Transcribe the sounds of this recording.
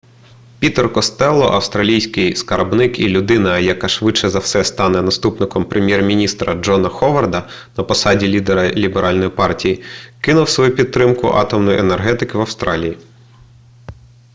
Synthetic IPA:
pʲit̪erkɔst̪ɛlˠːɔ̰ʔɐwst̪ɾɐlʲijsʲkɪjskɐrbnɪkilʲʊd̪ɪnɐjɐkɑʃʋɪt͡ʃːɛzɐwsɛst̪ɑnɛnɐst̪upnɪkɔmpɾʔemʲjɛrmʲinʲist̪ɾɐd͡ʒɔnɐxɔʋɐrd̪ɐ | nɐpɔsɑdʲilʲid̪ɛɾɐlʲibeɾʔɑlʲnɔjipɑrtʲijikɪnʊwsʋɔjupʲit̪̚t̪ːɾɪmkʊʔɑ̰t̪ɔmnɔjʔenerɦɛt̪ɪkɪʋɐwst̪ɾɑlʲiji

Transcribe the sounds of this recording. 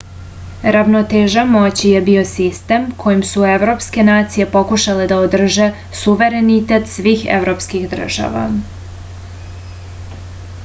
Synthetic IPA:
ɾaʋnot̪eʒamo̞t͡ɕije̞bio̞sist̪emkʰo̞jimsue̞ʋɾo̞pske̞naːt̪sije̞po̞kuʃale̞d̪aod̪r̩ʒe̞ | suʋe̞ɾe̞nit̪e̞t̪sʋiːxḛvɾo̞pskixd̪r̩ʒ̥a̰ʋa̰

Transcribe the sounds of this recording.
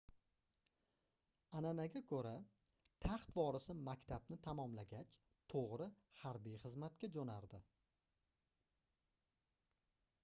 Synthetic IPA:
ananaɡʲakʰɵɾat̪ʰaχt̪vɒɾɪsɪmakʲt̪ʰabnɪt̪ʰamɒmlaɡʲat͡ʃ | t̪ʰoʁɾɪhaɾbijχɨzmat̪̚kʲad͡ʒonaɾd̪ɪ

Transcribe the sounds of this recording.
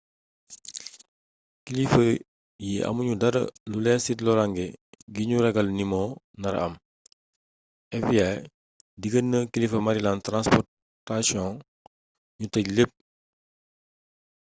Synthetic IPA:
kilifə | jiɐ̰muɲudɐɾɐ̰lulɛsitlɔɾaŋɡɛɡiɲuɾɛɡɐlnimɔ | nɐɾɐ̰m | ɛfijaj | diɡənːəkilifəmaɾilantɾãnspɔ | tasjɔ̃ | ɲutɐɟlep̚

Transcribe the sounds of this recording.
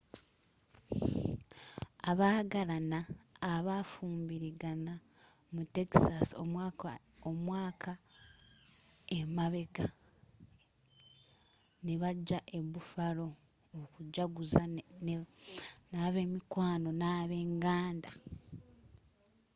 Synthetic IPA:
aβaːɡalanaːβafuːmbiɾiɡana | mute̞ki̥sasomwa | omwaːkʰa | emaβe̞ka | neβaɟːaʔe̞βufalo̞ | okuɟaɡuza | naːβe̞ːmikwaːno̞naːβe̞ːŋɡaːnda

